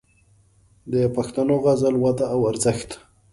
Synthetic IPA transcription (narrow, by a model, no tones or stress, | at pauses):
d̪əpaxt̪anoɣazalwad̪aːwaɾzəxt̪